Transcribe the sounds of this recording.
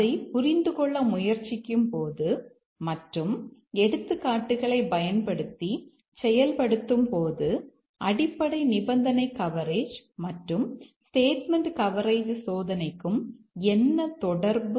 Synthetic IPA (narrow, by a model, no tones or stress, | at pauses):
ɐɪpʊɾɪnd̪ɯkɔɭːɐmʊjɐɾt͡ʃːɪkʲːɯmpoːðɯ | mɐʈrɯmɛɽɯt̪ːɯkːaːʈːɯɣɐɭɐɪbɐjɐnpɐɽɯt̪ːi | sɛjɐlpɐɽɯt̪ːɯmpoːðɯ | ʔɐɽɪpːɐɽɐɪnɪbɐnd̪ɐnɐɪkːɐʋɐɾeːd͡ʒmɐʈrɯmsʈeːʈmɛɳɖkɐʋɐɾɐɪʋɯsoːðɐnɐɪkːɯm | ɛnːɐt̪ɔɽɐɾbɯ